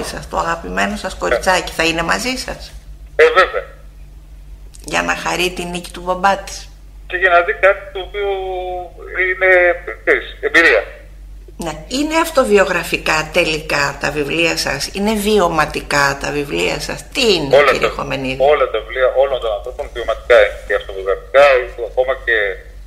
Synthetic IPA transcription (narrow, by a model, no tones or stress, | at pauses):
isɐst̪oɐɣɐpime̞no̞sɐsko̞ɾit͡sɐci̥θɐine̞mɐzisɐseve̞veɐ | ʝɐ̰nɐxɐɾit̪inici̥t̪ubɐbɐt̪i̥s | ceʝinɐzikɐt̪i̥t̪oːpiu | inekseɾisembiɾiɐ | neine̞ɐft̪o̞vio̞ɣɾɐfikɐt̪e̞likɐt̪ɐvivliɐsɐ̰sine̞vio̞mɐt̪ikɐt̪ɐvivliɐ̰sɐ̰st̪iːneolɐ̰ɾiɐxo̞̰me̞nio̞lɐt̪ɐvivliɐʔo̞lo̞nt̪o̞nɐ̃nθɾo̞po̞nvio̞mɐt̪i̥kɐineceɐft̪ovio̞ɣɾɐfi̥kɐiɐko̞mɐce̞